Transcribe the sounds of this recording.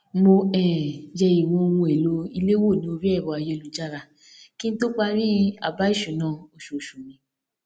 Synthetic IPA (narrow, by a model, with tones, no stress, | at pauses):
mo˧ɛ˨jɛ˧i˨wɔ̃˧o˧wũ˧e˨lo˨˦i˧le˦wo˦˨nĩ˦o˧ɾi˦ɛ˦˨wɔ˨˧a˧je˧lu˨˦d͡ʒa˦˨ɾa˧ | kĩ˦n̩˦to˦k͡pa˦˧ɾi˦a̰˧˨ba˦i˦˨ʃũ˨˦nãː˦˨o˧ʃo˨ʃu˨mĩ˨˦